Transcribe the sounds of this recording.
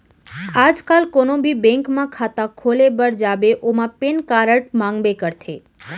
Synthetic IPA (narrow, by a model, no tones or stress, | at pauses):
ad͡ʒkalkonobʱibɛ̃ŋkmãkʰat̪akʰolebəɾd͡ʒabeʔomãpenkaɾəʈ̚mãŋɡbekəɾt̪ʰe